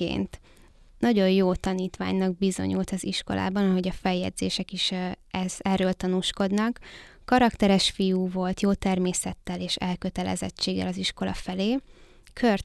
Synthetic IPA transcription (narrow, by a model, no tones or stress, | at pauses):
ḛːnt̪ | nɒɟo̞jjoːt̪ɒniːt̪ʋa̰ːɲnɒɡ̚bizo̞̰ɲṵlt̪ɒziʃko̞̰lʔa̰ːbɒnɒɦo̞ɟɒfɛjɛ̰d̪zḛːʃɛkiʃɛz̥ɛrːøːlt̪ɒnuːʃko̞d̪nɒkː | ɒɾɒkt̪ɛɾɛʃfijuːvo̞lt̪joːt̪ɛrmeːsɛt̪ːɛleːʃɛ̰lkøt̪ɛlɛ̰zɛ̰t͡ʃːeːɡɛ̰lɒziʃko̞lɒ̰fɛleː | kʰør